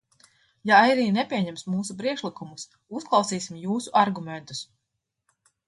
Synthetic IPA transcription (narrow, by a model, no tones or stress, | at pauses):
jaajɾiːnepʲiɛɲɛmsmuːsupɾiɛʃlˠikumus | usklˠɑwsiːsimjuːsuʔaɾɡumɛ̃nt̪us